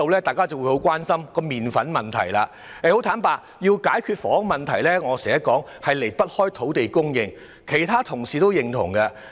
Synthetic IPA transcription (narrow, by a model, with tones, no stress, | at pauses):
o˨˧wlɛː˥t̪aː˨˩jkaː˥t͡sɐ˨wu˨˧˥jho˨˥wkwaː˥nsɐ˥mkɔː˧miː˨nfɐ˨˥nmɐ˨nt̪ʰɐ̰˨˩jla̰ː˧ | ɛ˧ho˨˥wt̪ʰaː˨˥npaː˧ | jiː˧wkaː˨˥jkʰyː˧t̚fɔː˨˥ŋmɐ˨nt̪ʰɐ˨˩jlɛː˥ŋɔː˨˧sɛː˨˩ɐ˥kɔː˨˥ŋ | hɐ˨jle˨˩jpɐ˥t̚hɔː˥jt̪ʰo˨˥wt̪e˨jkʊ˥ŋjɪ˨˧ŋ | kʰe˨˩jt̪ʰaː˥t̪ʰʊ˨˩ŋsiː˨t̪o˥wjɪ˨ŋt̪ʰʊ̰˨˩ŋkɐ˧